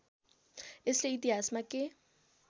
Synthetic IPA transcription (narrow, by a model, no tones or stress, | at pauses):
ɪsleitiasmakʼɪ